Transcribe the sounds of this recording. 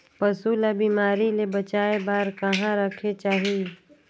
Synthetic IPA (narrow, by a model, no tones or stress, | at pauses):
pɐsuːlabiːmaːɾilebɐt͡ʃaːebaːɾkɐɦãɾɐkʰet͡ʃaːɦie